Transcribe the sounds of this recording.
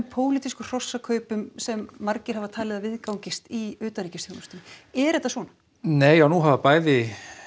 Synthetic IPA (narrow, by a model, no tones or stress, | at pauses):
mpʰoːwlit̪iskʏr̥ɔsːakʰœːɥpʏmsɛmːaɾcɪɾ̥havat̪ʰaːlɪðavɪðkawɲcɪst̪iʏːt̪anɾiːcɪst̪jowmʏst̪inɛɾɛt̪ːasvɔːna | neːjanuɦavapaːjðɪ